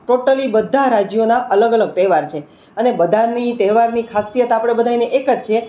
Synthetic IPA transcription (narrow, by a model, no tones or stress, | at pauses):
ʈoʈəlibəd̪ʱːaɾad͡ʒjonaʔələɡələɡ̚t̪ɛɦʋaɾt͡ʃʰe | ənebəd̪ʱanit̪ɛɦʋaɾnikʰasijət̪apɽ̃ebəd̪ʱaineʔekəd͡ʒt͡ʃʰe